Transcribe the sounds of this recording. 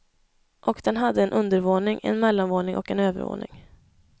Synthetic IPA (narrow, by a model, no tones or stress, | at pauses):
ʔɔkd̪ɛnɦad̪ːəɛnʔɵnd̪əɾvoːnɪŋʔɛ̰nmɛlːanvoːnɪŋʔɔkɛnøːvə̰ɾvo̰ːnɪ̰ŋ